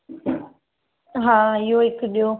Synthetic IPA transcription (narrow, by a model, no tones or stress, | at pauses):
ɦãːɪɦoɦɪkɗijo